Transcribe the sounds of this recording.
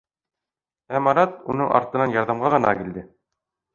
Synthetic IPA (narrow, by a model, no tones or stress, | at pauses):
æmɑɾɑt̪̚unɤɴʔɑ̰ɾt̪ɤ̆nɑnjɑɾðɑmʁɑʁɤ̆nɑ̰kild̪ɘ